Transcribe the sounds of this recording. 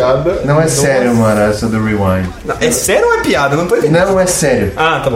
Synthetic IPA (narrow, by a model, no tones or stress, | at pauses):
ad̪ɐnɐ̃w̃ɛsɛɾjʊmɐ̃nɐɛsɛd̪ʊɾiwɐ̃j̃nnɐ̃w̃ɛsɛɾjow̃ɛpiad̪ɐnɐ̃w̃t̪ẽvnɐ̃w̃ɛsɛɾjʊat̪abõ